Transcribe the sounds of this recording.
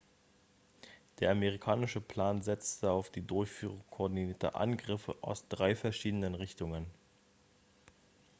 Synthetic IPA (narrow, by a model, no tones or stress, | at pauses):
d̥eːɐʔameʁ̞ikʰaːnɪʃəpʰl̥aːnzɛt͡stʰəaʊfd̥iːdʊɐçfyːʁʊŋkʰoɐdiniːɐtʰə̰ʔa̰nɡʁɪfə̰ʔaʊsd̥ʁaɪfɛɐʃiːdənənʁɪçtʊŋən